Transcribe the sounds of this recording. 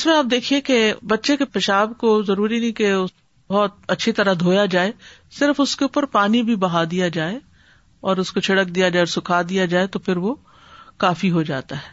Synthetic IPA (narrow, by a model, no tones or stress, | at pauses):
ɪsmẽaːp̚d̪eːkʰiekebɐtːʃekepɐʃaːbkozɐɾuːɾinɐɦĩkeʊ | ɔɦt̪̚ɐtːʃʰit̪ɐɾad̪ʱoːjad͡ʒaːesɪɾəfʊskeuːpəɾpaːnibʱibɐɦad̪ijad͡ʒaːe | ɔːɾʊskot͡ʃʰɪɽək̚d̪ijad͡ʒaːeɔːɾsʊkʰad̪ijad͡ʒaːet̪ofʰɪɾʋo | kaːfiɦod͡ʒa̰ːt̪aɦɛː